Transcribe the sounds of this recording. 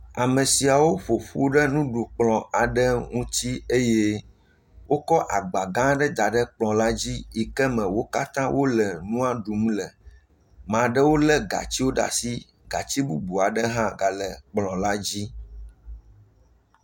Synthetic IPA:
a˨mẽ˨si˨a˨wo˦ɸo˨ɸṵ˦ɖɛ˦nũ˦ɖu˨k͡plɔ̃˨a˨ɖɛ˦ŋũ˦t̪i˦e˦je˦ | wo˦kɔ˦ʔa˨ɡ͡ba˨ɡã˦ɖɛ˦d̪a˨ɖɛ˦k͡plɔ̃˨la˦d͡ʑi˦i˨kɛ˦mɛ̃˨wo˦ka˦t̪ã˦wo˦lɛ˨nũ˦a˦ɖu˨m˦lɛ˨ | mã˨ɖɛ˦wo˦lɛ˦ɡa̰˨t͡ɕi˦wo˦ɖa̰˨si˦ | ɡa̰˨t͡ɕi˦bu˦bu˨a˨ɖɛ˦ɦã˦ɡa˨lɛ˨k͡plɔ̃˨la˦d͡ʑi˦

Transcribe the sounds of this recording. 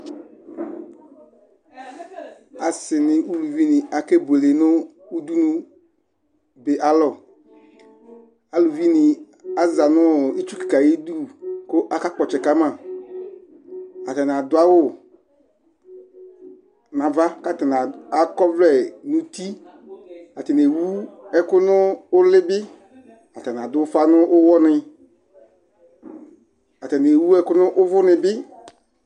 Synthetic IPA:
a˨sɪ˨nɪ̃˨u˦lu˨vi˦nɪ̃˨a˨ke˦bo˨le˨nʊ˦ | u˦d̪u˦nũ˦ | be˨ʔa˨lɔ˨ | a˨lu˨vi˦nɪ˨ | a˨za˨nʊ̃˦i˦t͡ʃu˦ki̥˨ka˨je˦d̪u˦ko˦ʔa˦ka˦k͡pɔ˨t͡ʃɛ˨ka˦mã˨ | a˨t̪a˨n˨a˨d̪ʊ˨˦a˦wʊ˦˨ | nã˨va˦ka˦tɛ˨n˨a˨a˨kɔ˦vlɛ˦nʊ̃˦ti˦ | a˨tɛ˨n˨e˨wu˦ɛ˦kʊ˦nʊ˦ʊ˦lɪ˦bɪ˦ | a˨tɛ˨n˨a˨dʊ˦fa˦nʊ˦ʔʊ˦wɔ˦nɪ˨ | a˨tɛ˨n˨e˨wu˦ɛ˦kʊ˦nʊ˦ʔʊ˦vʊ˦nɪ˨bɪ˦

